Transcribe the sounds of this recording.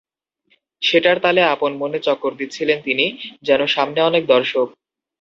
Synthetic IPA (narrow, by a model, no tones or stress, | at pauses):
ʃeʈaɾt̪aleaponmonet͡ɕɔkːoɾd̪it̪ːt͡ɕʰilent̪inid͡ʑɛnoʃamneɔnek̚d̪ɔɾʃok̚